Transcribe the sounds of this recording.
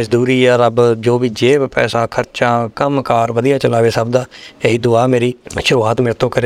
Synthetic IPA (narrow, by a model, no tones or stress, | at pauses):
əd͡ʒd̪uːɾiːɛɾəbd͡ʒoːʋiːd͡ʒeːpɛ̰ːsãːkʰəɾt͡ʃãːkəmkaːɾʋəd̪ijaːt͡ʃəlaːʋeːsəbd̪aːeiːd̪ʊaːmeːɾiːʃʊɾuaːt̪mɪːɾt̪õːkəɾeː